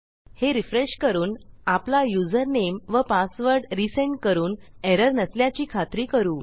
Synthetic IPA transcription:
heɾifɾeɕkəɾuːnaplajud͡zəɾnemʋəpasʋəɾɖɾiseɳʈkəɾuːneɾəɾnəsljat͡ɕiːkʰat̪ɾiːkəɾuː

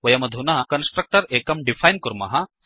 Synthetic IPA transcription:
ʋɐjɐmɐd̪ʱunɐɦɐkɐnsʈɾɐk̚ʈɐɾekɐmɖifajnkuɾmɐ̰ɦɐ

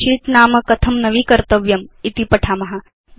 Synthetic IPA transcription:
iːʈ̪naːmɐkɐt̪ʰɐmnɐʋiːkɐɾt̪ɐʋjɐmit̪ipɐʈʰaːmɐɦa

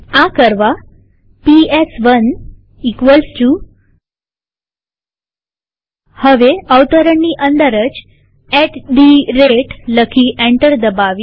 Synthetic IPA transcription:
ãkəɾʋa | piesʋən | ikʋəlst͡ɕu | həʋeəʋt̪əɾəɳːiʔənd̪əɾət͡ɕ | ɛʈɖiɾeʈləkʰiʔeɳʈəɾd̪əbaʋj

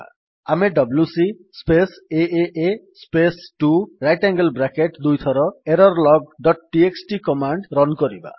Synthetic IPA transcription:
ameɖʌbljusi | speseʔeʔespesʈuɾajʈaŋɡəlbɾakeʈd̪ujt̪ʰɔɾɔeɾɔɾlɔɡ̚ɖɔʈ̚ʈieksʈikɔmaɳɖɾɔnkɔɾiba̰

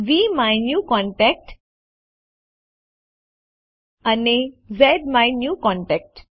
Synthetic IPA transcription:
ʋimajnjuːkɔ̃ɳʈɛk̚ʈ | ənezɛɖmajnjuːkɔ̃ɳʈɛk̚ʈ

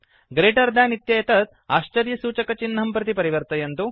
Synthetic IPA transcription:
ɡɾeːʈɐɾd̪aːnit̪jɐjɐt̪ɐt̪̚ | aːʃt͡ʃɐɾijɐsuːt͡ʃɐkɐt͡ʃinːɐmpɾɐt̪̬ipɐɾiʋɐɾt̪ɐjɐnt̪u

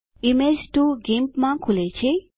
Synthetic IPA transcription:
imed͡ʒʈ̪uɡempmãkʰulet͡ʃʰe

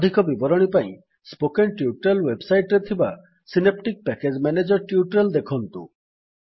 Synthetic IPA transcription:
ɔd̪ʱikɔbibɔɾɔɽ̃ipaḭ̃ | spokeɳʈjuʈɾelwebsajʈɾet̪ʰiba | sinep̚ʈik̚pɛked͡ʒmɛned͡ʒɔɾʈjuʈɾeld̪ekʰɔnt̪ṵ

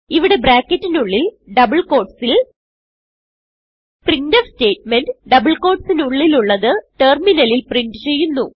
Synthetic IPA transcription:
iʋiɽe̞bɾaːkːɐtːinuɭːilɖɐbɨɭko̞ːrʈsil | prindɐfste̞ːʈ̚menɖɖɐbɨɭko̞ːrʈsinuɭːiluɭːɐðɨʈerminɐlilpriɳɖɨt͡ɕe̞jːunːu

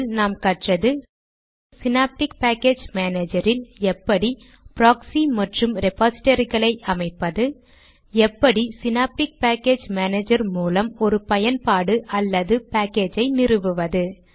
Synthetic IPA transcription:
lnaːmkɐʈrɐðɯ | sɪnaːp̚ʈɪkpaːkeːd͡ʒmaːneːd͡ʒɐɾɪlɛpːɐɽi | pɾaːksimɐʈrɯmɾɛpaːsɪ̥ʈɐɾɣɐɭɐɪʔɐmɐɪpːɐðɯ | ɛpːɐɽisɪnaːp̚ʈɪk̚paːkeːd͡ʒmaːneːd͡ʒɐɾmuːlɐmɔɾɯpɐjɐnpaːɽɯʔɐlːɐðɯpaːkeːd͡ʒɐɪnɪrɯʋɯʋɐðɯ

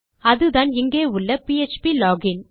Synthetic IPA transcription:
ɐðɯðaːnɪŋɡeːʊɭːɐpiɛt͡ʃpilɔːɡɪn

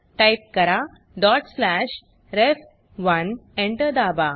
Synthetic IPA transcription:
ʈajp̚kəɾa | ɖɔʈslæɕ | ɾef | ʋənẽɳʈəd̪aba

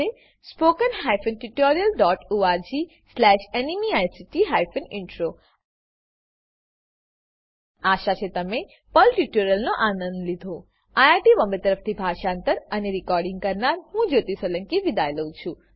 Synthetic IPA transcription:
e | spokənɦajfənʈiʈoɾijəlɖɔʈuaɾd͡ʒi | slɛʃenimiajsiʈiɦajfənɪɳʈɾo | aʃat͡ʃʰet̪əme | pəlʈiʈoɾjəlnoʔanə̃nd̪lid̪ʱo | ajaɾʈiʋəmbəɾt̪əɾəft̪ʰibʱaʃant̪əɾəneɾikɔɾɖĩŋɡ̚kəɾnaɾɦũd͡ʒot̪isələŋkiʋid̪ajləũt͡ʃʰũ

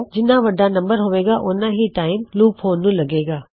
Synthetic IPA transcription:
d͡ʑɪnãʋɐɖʱãnɐ̃mbəɾɦʊʋeːɡaʔʊnãɦiʈaːɪmluːpɦoːnũlɐɡeːɡaː

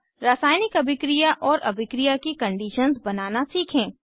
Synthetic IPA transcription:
ɾasaːjnɪkɐbʱɪkɾijaʔɔːɾʔɐbʱɪkɾijakikɐ̃ɳɖiːʃənzbɐnaːnasiːkʰẽː

